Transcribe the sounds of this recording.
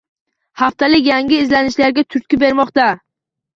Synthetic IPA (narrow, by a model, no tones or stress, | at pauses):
haft̪ʰalɪk̬ʲjaŋɡʲɪːzlanɪʃlaɾɡʲat̪ʰʊɾt̪̚kʲɪbe̞ɾmɒqt̪a